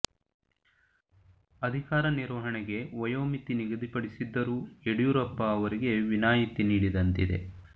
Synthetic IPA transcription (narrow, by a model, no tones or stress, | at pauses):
ɐd̪ʱikaːɾɐniɾʋɐɦɐɳɛɡe̞ʋɐjoːmit̪iniɡɐd̪ʱipɐɽisid̪ːɐɾuːeɽijuɾɐpːɐːʋɐɾiɡe̞ʋinaːjit̪iniːɽid̪ɐnt̪id̪e̞̰